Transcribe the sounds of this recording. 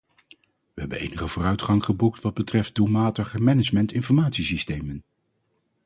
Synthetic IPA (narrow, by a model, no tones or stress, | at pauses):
ʋəɦɛbənḛjnəχəvʊːrœɥtχɑŋχəbuktʋɑd̚bətrɛft̚d̥umaːtəχəmɛnəd͡ʒmɛntɪnfɔɹmaːtsisistejmən